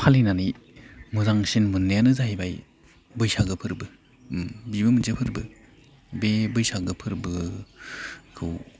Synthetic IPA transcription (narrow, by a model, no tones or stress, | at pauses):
pʰalinani | muzaŋsinmɯnːɯjanɯzaɦibaj | bɯjsaɡɯpʰɯɾbɯ | mbibɯmɯnzepʰɯɾbɯ | bebɯjsaɡɯpʰɯɾbɯ | kʰɯw